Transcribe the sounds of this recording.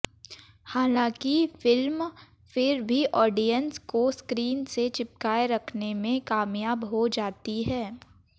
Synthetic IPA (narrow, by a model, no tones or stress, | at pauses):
haːlãːkifɪlm | fɪɾbʱiʔɔːɖijənskoskɾiːnset͡ʃɪp̚kaːeɾɐkʰnemẽkaːmjaːbɦod͡ʒaːt̪iɦɛː